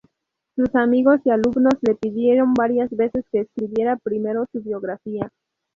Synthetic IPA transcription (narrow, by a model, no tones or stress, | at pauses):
susamiɣo̞sialubno̞slepidjeɾo̞nbaɾiasbe̞se̞skeːskɾibje̞ɾapɾime̞ɾo̞subjo̞ɡɾafia